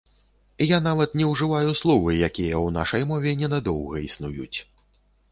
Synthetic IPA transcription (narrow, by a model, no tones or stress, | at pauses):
janavɐt̪nʲɛwʐɨvajuslˠɔvɨjakʲijɐwna̰ʂɐjmɔvʲɛnʲɛnad̪ɔwɣɐisnujṵt͡sʲ